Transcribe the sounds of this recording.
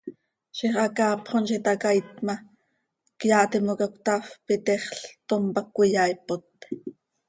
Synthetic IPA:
ʃiχʔɑkɑːpχonʃit̪ɑkajt̪mɑ | kjɑːʔt̪imokakʷt̪afpit̪eχɬt̪ompɑkʷːijɑjpot̪

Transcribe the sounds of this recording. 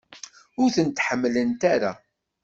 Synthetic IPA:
ʊɾθənt̪ħəmːlənt̪aɾa

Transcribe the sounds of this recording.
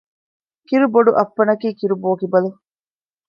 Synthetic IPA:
kiɾuboɖuʔɐpːɐnɐkiːkiɾuboːkibɐlu

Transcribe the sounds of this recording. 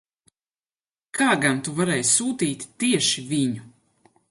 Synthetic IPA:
kʰaːɡant̪uvaɾɛːjssuːt̪iːt̪ʲt̪iɛʃivʲiɲu

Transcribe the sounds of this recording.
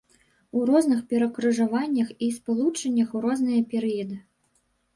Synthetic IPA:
urɔznɨxpʲɛɾɐkɾɨʐavanʲːɐxispalˠut͡ʂɐnʲːɐxurɔznɨjɐpʲɛɾɨjɐd̪ɨ

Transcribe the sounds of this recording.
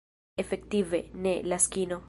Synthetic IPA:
efek̚t̪ivenelaskino

